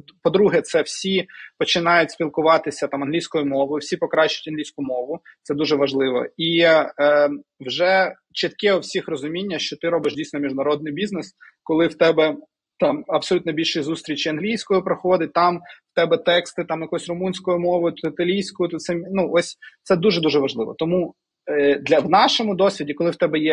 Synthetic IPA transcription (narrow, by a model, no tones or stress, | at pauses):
pɔd̪ɾuɦɛt̪sɛwsʲipɔt͡ʃɪnɑjʊt̚ʲsʲpʲilˠkʊʋɑt̪ɪsʲɐt̪ɑmɐnɦlʲijsʲkɔjʊmɔʋɔjʊwsʲipɔkɾɑʃʊ̥tʲɐnlʲijsʲkʊmɔʋʊt̪sɛd̪uʒɛʋɐʒlˠɪʋɔ̰i | wʒɛ | t͡ʃɪt̪kɛɔwsʲixrɔzʊmʲinʲːɐʃt͡ʃɔt̪ɪɾɔbɪʃdʲijsʲnɔmʲiʒnɐɾɔd̪̚nɪjbʲiznɛs | kɔlˠɪwt̪ɛbɛ | t̪ɑmɐpsɔlʲut̪nɔbʲilʲʃɪjzust̪ɾʲit͡ʃɪɐnɦlʲijsʲkɔjʊpɾɐxɔd̪ɪt̚ʲt̪ɑmwt̪ɛbɛt̪ɛkst̪ɪt̪ɑmjɐkɔɔsʲrʊmunʲsʲkɔjʊmɔʋɔjʊt̪ʊt̪ɪt̪ɐlʲijsʲkʊjʊt̪ʊt̪sɛmnuʔɔsʲt̪ɛd̪uʒɛd̪uʒɛʋɐʒlˠɪʋɔ̰t̪ɔmu | d̪lʲɐwnɑʃɔmʊd̪ɔsʲʋʲidʲikɔlɪwt̪ɛbɛjɛ